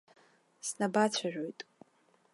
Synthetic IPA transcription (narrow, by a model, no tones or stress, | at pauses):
snabat͡ɕʷʰaʒᶣojtʼ